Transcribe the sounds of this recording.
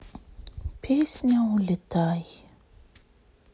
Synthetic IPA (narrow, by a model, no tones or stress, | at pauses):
pʰesnawlət̪aj